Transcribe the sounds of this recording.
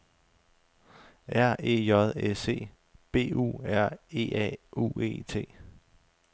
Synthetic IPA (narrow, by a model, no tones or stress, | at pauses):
æɐ̰e̝̰ːjɒð̞ˠese̝̰ː | b̥e̝̰ːṵːæɐ̰e̝̰ːʔɛ̰ṵːe̝̰ːt͡sʰe̝̰ː